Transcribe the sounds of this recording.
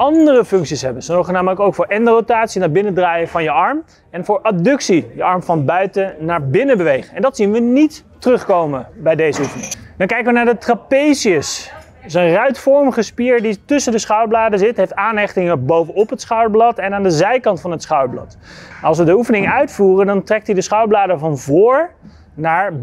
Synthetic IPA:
ɑndərəfɵŋksisɦɛbənsəɔwχənaːmələkowkfʊːɹɛndərotaːtsinabɪnədraːjəvɑnjəɑɹm | ɛnvʊːɹʔadɵksijəɑɹmfɑnbœɥtənaːɹbɪnəbəʋejχəɛndɑtsinʋənitː | ərɵχkowməbɛjdejzəufənɪ̰ŋdɑŋkɛjkəʋənaːɹdətrapejziəs | sənrœɥtfɔɹmχəspiːɹditɵsəndəsχɑwblaːdəzɪtɦejftaːnɦɛχtɪŋəbowvənɔpɦətsχɑwblɑtɛnaːndəzɛjkɑntfɑnɦətsχɑwblɑ̰t | nɑlˠsʋədəufənɪŋœɥtfuːrəndɑntrɛk̚tidəsχɑwblaːdəvɑnvʊːɹ | naːɹ

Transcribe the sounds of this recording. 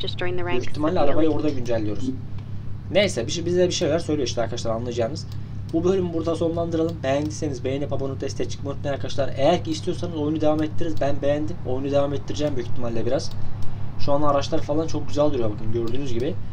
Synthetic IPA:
d͡ʒɐsd̥ʒ̥ɔ̃ɪ̃nðəɹɛyçt̪ʰːimalʲːiaɾabajɯo̞ɾd̪aɟynd͡ʒælʲːijo̞ɾuz | nejsɛbiʃbizʲd̪ɛbiʃejolʲæɾsøjlʲejʃt̪iaɾkʰaʃlˠaɾanlˠajd͡ʒaːnɯz̥ | bubø̞lʲymbuɾd̪aso̞nlˠand̪ɯɾalˠɯmbejænd̪ʲise̞nizbejenʲipʰapanunt̪ʰɛst̪ʰɛt͡ʃʰɯ̥kmot̪nɛaɾkʰaʃlˠaɾejæɾcʰiːst̪ʰijo̞ɾsanɯzo̞junud̪evamɛt̪ʰːiɾizbænbejænd̪imo̞junud̪evamɛt̪ʰːiɾid͡ʒɛːmbyjycʰit̪ʰːimalʲːɛbiɾaz̥ʃuand̪aːɾat͡ʃlˠaɾfalˠant͡ʃʰo̞k̚ɟyzælʲd̪yɾujobuɡɟynɟø̞ɾd̪yːnyzɟibɪ

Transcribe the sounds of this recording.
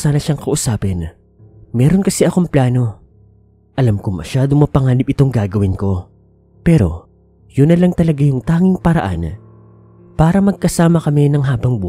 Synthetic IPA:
saːnɐʃaŋkɐʔʊsaːpɛn | mɛːɾo̞nkɐsɛʔɐko̞mplaːno̞ | ʔɐlamkʊŋmɐ̰ʃaːd̪omɐpɐŋaːnɪpɪt̪o̞ŋɡaːɡɐwɪnko̞ | pɛɾo̞̰ | jʊnːɐlɐŋt̪ɐlɐɡajʊŋt̪aːŋɪŋpɐɾɐ̰ʔa̰n | paːɾɐmɐɡ̚kɐsaːmɐkɐmɛnɐŋɦaːbɐŋbu

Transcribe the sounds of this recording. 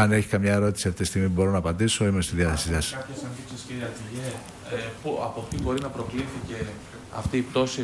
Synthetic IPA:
ɐne̞çi̥kɐmɲɐe̞ɾo̞t̪isiɐft̪it̪ist̪iɣmibo̞ɾonɐːpɐnd̪iso̞imest̪iðiɐθe̞sisɐsɐpçesɐnθipsisciɾiɐt̪iʝe | puɐpot̪ibo̞ɾinɐpɾo̞kliθice̞ | ɐ̰ft̪iːpt̪o̞si

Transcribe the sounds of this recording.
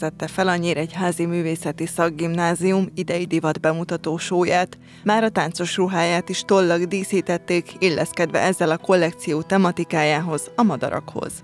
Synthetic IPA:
zɛt̪ːɛfɛlɒɲːiːɾɛɟɦaːzimyːveːsɛt̪isɒɡːimnaːziumid̪ɛjid̪ivɒd̪bɛmut̪ɒt̪oːʃoːjaːt̪ | maːɾɒt̪aːnt̪so̞ʃruɦaːjaːt̪iʃt̪o̞lːɒɡd̪iːsiːt̪ɛt̪ːeːkilːʔɛskɛd̪ʋɛ̰ʔɛzːɛlɒko̞lːɛkt̪sijoːt̪ɛmɒt̪ikaːjaːɦo̞zɒmɒd̪ɒ̰ɾɒ̰kho̞̰z̥

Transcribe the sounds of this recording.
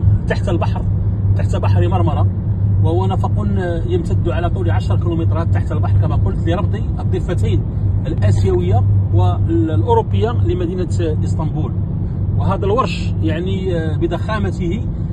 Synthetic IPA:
t̪aħt̪əlbɑħɾt̪aħt̪bɑħɾimɑɾˤmɑɾˤɑ | wəhʊwːænæfɑqun | jəmt̪æd̪ːuʕalæt̪ˤuliʕaʃɾˤkilumət̪ˤɾˤɑt̪ːaħt̪əlbɑħɾˤkæmæqʊlt̪liɾˤɑb̚t̪ˤiʔəd̪ˤːəfːæt̪æjn | əlʔæsjæwəjːawəlʔʊɾobːəjːaləmæd̪inəʔəst̪ˤɑmbul | wəɦæd̪ælwɑɾˤʃ | jaʕni | bəd̪ɑxæmæt̪əhi

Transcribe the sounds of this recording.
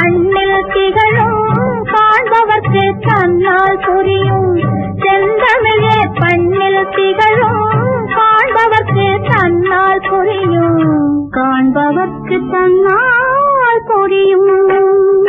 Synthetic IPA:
pɐɳnɪlt̪ɪɣɐɭɯmkaːɳbɐʋɐɾkɯt̪ɐnːaːlpʊɾɪjɯmsɛnd̪ɐmɪleːpɐɳnɪlt̪ɪɣɐɭɯmkaːɳbɐʋɐɾkɯt̪ɐnːaːlpʊɾɪjɯmkaːɳbɐʋɐrkɯt̪ɐnːaːlpʊɾɪjɯm

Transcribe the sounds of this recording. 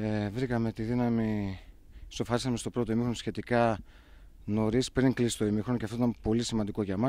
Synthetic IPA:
evɾikɐme̞t̪iðinɐmi | so̞fɐɾisɐme̞st̪o̞pɾo̞t̪o̞imixɾo̞nsçe̞t̪ikɐ | no̞ɾispɾiŋklisist̪o̞imixɾo̞nceft̪oit̪ɐmpo̞lisimɐnd̪iko̞ʝɐmɐ

